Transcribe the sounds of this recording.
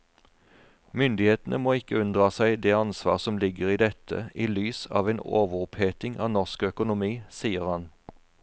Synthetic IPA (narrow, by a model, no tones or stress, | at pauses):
mʏnd̪ɪheːt̪n̩ʔə̰moːɪkəʉnd̪ʁɑːsæɪd̪eːɑnsʋɑ̰ːʁsɔmlɪɡəʁiːd̪ɛt̪ʰə̰iːlyːsɑ̰ːʋeːnoːʋəʁʊpheːt̪ɪŋʔɑ̰ːnɔʁskœkʊnʊmiːsiːəʁhɑn